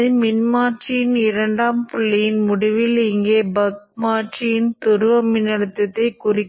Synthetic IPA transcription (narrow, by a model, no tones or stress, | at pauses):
ɯmɪnmaːʈt͡ʃijɪnɪɾɐɳɖaːmpʊɭːɐjɪnmʊɽɪʋɪlɪŋɡeːbɐk̚maːʈt͡ʃijɪnt̪ʊɾɯʋɐmːɪnɐɽɯt̪ːɐt̪ːɐɪkʊrɪkː